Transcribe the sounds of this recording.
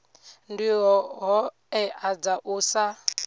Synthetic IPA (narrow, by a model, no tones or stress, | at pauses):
ndiɦɔɦɔ | ɛʔad͡zaʔusa